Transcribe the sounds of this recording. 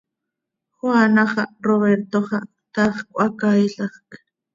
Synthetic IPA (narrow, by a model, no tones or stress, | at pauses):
χwanɑχɑroβeɾt̪oχɑ | t̪ɑχkʷʼakajɬɑχk